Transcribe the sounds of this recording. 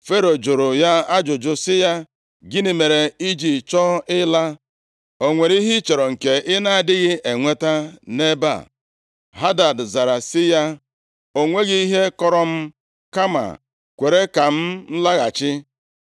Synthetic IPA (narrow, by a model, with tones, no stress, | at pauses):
fe˦ɾo˨d͡ʒʊ˨ɾʊ˨ja˦a˦d͡ʒʊ˨d͡ʒʊ˦sɪ˦ja˦ | ɡɪ˦ni˨me˨ɾe˨i˦d͡ʒi˨t͡ʃɔ˦ɪ˦la˦ | o˨ŋʷe˨ɾi˦ɦi˦t͡ʃe˨ɾo˨ŋ̩˨ke˨ʔɪ˦na˦a˨dɪ˦ɣɪ˦ʔe˨ŋʷe˦ta˦ne˦ba̰˨ | ɦa˦da˨dza˨ɾa˨sɪ˦ja˦ | o˨ŋʷe˦ɣi˦i˦ɦe˦kɔ˦ɾɔ˦m̩˦ | ka˦ma̰˨ | kʷe˨ɾe˦ka˨m̩˦n̩˦la˦ɣa˨t͡ʃɪ˦